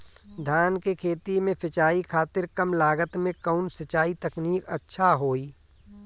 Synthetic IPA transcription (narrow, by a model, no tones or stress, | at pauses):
d̪ʱjaːnkekʰeːt̪imẽpʰɪt͡ʃaːikʰaːt̪ɪɾkɐmlaːɡət̪mẽkəʊnsɐt͡ʃaːit̪ɐkniːkətːʃʰaɦoːiː